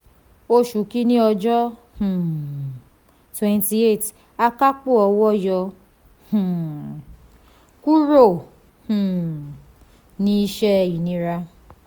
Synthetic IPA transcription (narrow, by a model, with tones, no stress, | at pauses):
o˦ʃu˨ki˦nĩ˦ɔ˧d͡ʒɔ˦ | h̩˨ | twɛ˦nti˨˦e˦˨t | a˧ka˦k͡pu˦ɔ˨wɔ˦jɔ˧ | h̩˨ | ku˦ɾo˦˨ | h̩˨ | nĩ˦ʃɛ˦i˨nĩ˧ɾa˧